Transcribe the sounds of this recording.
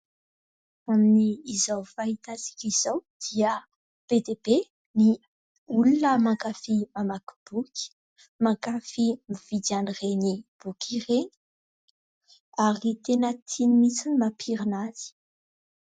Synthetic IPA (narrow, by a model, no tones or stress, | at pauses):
aminiːzawfaɦit̪azi̥kʲizawd̪̥iə | b̥ed̪ebe | ni | ulunəmaŋkafimamaku̥b̥ukʲi̥ | maŋkafimiv̥id̪anirenib̥ukireni̥ | aɾit̪enət̪ʰinimit͡sinimapʰiɾinazi̥